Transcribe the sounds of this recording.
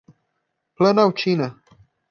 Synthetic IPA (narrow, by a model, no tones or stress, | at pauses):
plənawt͡ʃinə